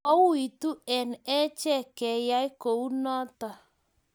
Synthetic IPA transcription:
ɔ˦wu˦i˨tu˦ɛ˨nɛ˦t͡ʃɛ˦˨kɛ˨ja˦i˦ko˨u˦nɔ˦ta˨

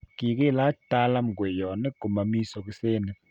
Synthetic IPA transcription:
ki˨kɪ˦la˦ta˦la˦m˨ɡwe˨jɔ˨nɛ˦ɡo˨ma˨mi˦sɔ˨k̬ɪ˦se˦nɛ˨

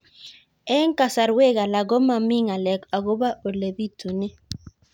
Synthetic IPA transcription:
ɛ˦ŋ˦ka˨sa˨ɾwe˦ɡa˨la˨ɡɔ˦ma˨mi˦ŋa˨lɛ˨ka˨ɡo˦ba˦ʔo˨le˨bi˦tʰu˨ne˦

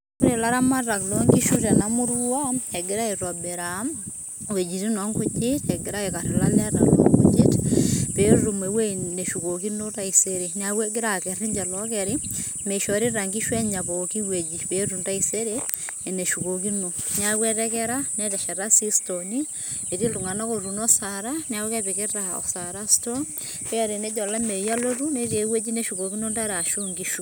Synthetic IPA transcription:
ɾe˨la˦ɾa˦ma˦ra˨klɔŋɡi˦ʃu˦tɛnamu˦ɾu˦aɛɡɪɾa˦iɾwa˨beɾam | we˨d͡ʒi˨ti˦nɔ˦ŋɡu˦d͡ʒitɛɡi˦ɾa˦eka˨ɾe˨lalɛ˦ɾalo̰ŋɡud͡ʒi˦tpeɾu˨me˨wene˨ʃu˨koki˦no˦ta˦iseɾenakwɛ˦ɡɪ˦ɾakɛɾi˦ɲd͡ʒɛ˨lɔkɛɾime˨ʃɔ˨ɾi˦ɾa˨ŋɡi˦ʃwɛ˦ɲa˨bo˨ki˦we˨d͡ʒi˨pe˨ɾu˨nda˦i˨se˦ɾe˦e˨ne˨ʃu˨ko˨ki˦no˨na˦βwɛ˦ɾɛ˦kɛ˦ɾa˦nɛ˦tɛ˨ʃɛ˨ɾa˦si˦sto˨ni˦ | e˨ti˦ltu˨ŋa˨na˦ko˨ɾu˨nɔ˦saɾa˦na˦u˦kɛ˦be˨ke˦ɾa˨ɔ̰˨sa˨ɾa˦sto˦ŋ | pɛ˦˨ɾe˨nɛ˦d͡ʒɔ˨la˦me˨ja˦lo˦tu˦ne˦ɾe˨˦we˦d͡ʒi˦ne˦ʃu˨ko˨ki˦no˦nda˦ɾa˨ʃu˦ŋɡi˦ʃu˦

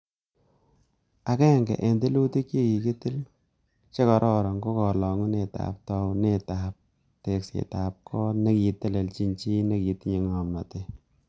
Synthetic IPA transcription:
a˨kɛ˦˨ŋɡɛ̰˨ʔe˨nde˦lu˦ti˦kt͡ʃi˦ki˨ki˦ti˦l | t͡ʃe˦kɔ˨ɾʔɔ˦ɾɔ˨ŋɡo˦kɔ˨lɔ˨ŋu˦ne˨ta̰˨p̚tɔ˧wne˦ta˨p̚ | te˨ksḛ˨ta˨p̚kʰɔ˦ne˦ki˨tɛ˦le˨lt͡ʃi˦ɲt͡ʃi˦ne˦ki˨ti˦ɲe˨ŋɔ˨ma˨te˦

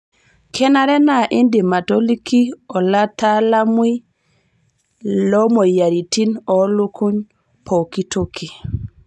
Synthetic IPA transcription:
kʰɛ˦na˨ɾe˦na˨ʔi˦ndi˨ma˨to˦li˦kʰi˦ɔ˨la˦ta˦la˦mwi˦ | lɔ˦mo˨ja˨ɾi˨ti˦nɔ˨lo˦ku˦ɲ | pʰo˨ki˦to˦ki˨

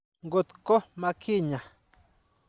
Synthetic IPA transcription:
ŋɡo˧t̪ko˦mã˧kʰi˦˨ɲã˨

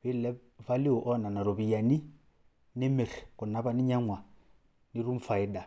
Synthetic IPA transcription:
βɪ˦lɛ˦ | va˦li˦ʊ˨ʔɔ˦na˨na˨ɾɔ˨βi˨ja˨ni˦ | nɪ˦mɛ˨ɾkʊ˨na˦βa˦nɪ˦ɲa˦ŋwa˨ | ni˦ɾu˦m̩fa˨i˦da˨

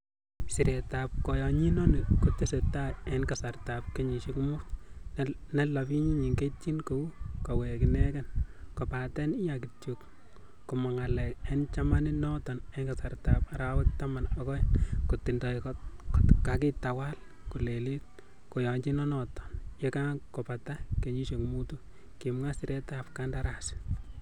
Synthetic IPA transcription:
si˨ɾe˨tap̚kɔ˨jɔ˨ɲi˦nɔnɪ˨kotese˨taenkasarta˨p̚ke˦ɲi˨ʃi˦kmʊ˦t | nɛ˦labi˦ɲi˦ɲi˨ŋɡeti˦nko˨u˦kɔ˨we˨kɪnɛkɛnkɔ˨patɛ˦ni˦jakitjuk | ku˨mɔ˨ŋa˨lɛ˨kɛnt͡ʃa˦ma˦ni˦nɔtɔ˨nɛŋɡa˨sa˨ɾta˨paɾawɛ˦k̚tama˨nɔkɔ˦ɛnkotindɔ˨k | kaki˦tawa˦l | ku˨le˨li˦t̚ | ko˨jɔ˨ɲd͡ʒi˦nɔ˦nɔtɔ̥nje˦kakɔ˨patake˨ɲi˦ʃe˨kmutu | kimŋa˦sɪ˨ɾɛtap̚kandaɾa˨sɪ̥

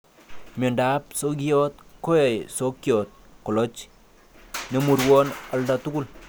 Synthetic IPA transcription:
me˨nda˦p̚soɡijɔ˦t̚ko˦je˨jso˦kjɔ˨t̪̚ko˨lɔ˦t͡ʃ | ne˨mu˨rwɔ˦na˨ldatu˦ku˦l

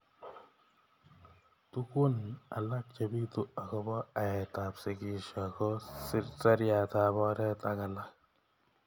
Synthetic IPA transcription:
tu˦ku˦na̰˨la˦k̚t͡ʃe˨bi˦tu˦a˨kɔ˦bɔ˦a˨ɛ˨ta˨psɪ˨ki˨ʃa˨kɔ˦sɪ˦ɾta˦ɾja˨ta˨bɔ˦ɾɛ˦ta˦ka˨lak̚

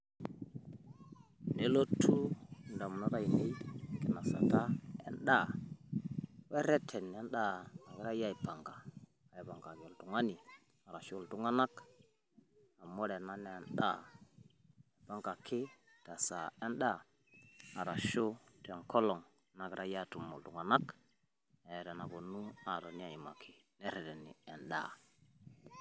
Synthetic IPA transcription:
ne˨lo˦tʰu˦nda˨m˨no˦ɾa˦˨ji˨he˦i˦˨ɡi˨na˨sa̰˨ta˦ḛ˦nɗa˦˨ | we˦ɾe˦tʰe˨n˨e˦nɗa˦na˨ɡɾa˦ja˦i˨pa˨ŋɡaː˨ | jba˨ŋɡa˨ɡe˨ltu˨ŋa˦ni˨ | a˨ɾa˨ʃu˦˨ltu˦ŋa˦na˦k | a˨mɔ˦ɾɛ˨na˦n˦ɛ˨nɗa̰˦˨ | pa˦ŋɡa˨kʰɪ˦ | ta˨sa˨ɛ˦nɗa˦˨ | a˨ɾa˨ʃu˦tɛ˨ŋkɔ˦lɔ˨ŋ | na˨kɾʔa˦ja˦˨tu˨mo˨ltu˨ŋa˨na˦k | ɛ˨ɾɛ˨na˨ɡo˨nu˦a˨ɾo˨ni˦a˨i˨ma̰˨kʰi˨nɛ˦ɾɛ˨tɛ˨nḭ˨ɛ˨nɗa̰˦˨

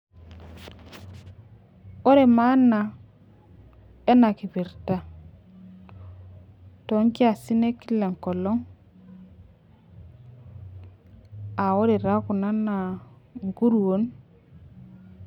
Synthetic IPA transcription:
o˦ɾe˨ma˦na˨ | e˦na˨ki˨pi˨ɾta˦ | to˨˦ŋki˦a˨si˦ne˦ki˦le˨ŋko˨lo˦ŋ | a˨wo˦ɾe˨ɾa˦ku˨na˦na˨ŋɡu˦ɾu˨wo˦n

